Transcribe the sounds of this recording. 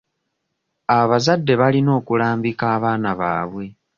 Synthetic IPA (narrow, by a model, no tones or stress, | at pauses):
aβazadːe̞βalino̞ːkulaːmbikaːβaːnaβa̰ːβwe̞